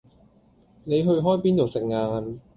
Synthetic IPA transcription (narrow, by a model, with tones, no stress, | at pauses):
ne˨˧jɦɵ˧ɥɦɔː˥jpiː˥nt͡so˨wsɪ˨k̚ŋaː˧n